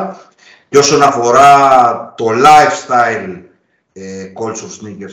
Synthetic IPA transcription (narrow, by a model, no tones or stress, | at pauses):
co̞sonɐfo̞ɾɐt̪o̞lajfst̪ɐil | ekolsofsniceɾ